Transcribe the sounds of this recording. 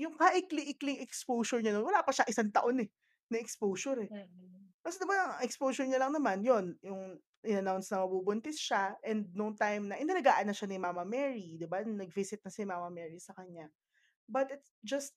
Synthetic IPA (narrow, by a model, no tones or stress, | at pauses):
jʊŋkɐʔɪkliʔɪklɪŋʔɛkspowsɔɹɲɐnonwɐlaːpɐʃaʔɪsaŋt̪ɐʔo̞nɛ | nɐʔɛkspowsʊɾɛ | kɐsɪnobanɐŋɐɛkspowsɔɹɲɐlɐŋnɐmanjo̞njʊŋ | ʔɪnɐnawnsnɐmɐbubʊnt̪ɛsʃaʔɛnd̪̚nʊŋt̪ajmnɐʔɪnɐlɐɡaːʔɐnːɐʃanɪmaːmɐmɛːɹid̪ɪbannɐɡ̚visɪt̪̚nɐsɪmaːmɐmɛːɹisɐkɐɲa | bɐt̪ɪt̪sd͡ʒɐst̪̚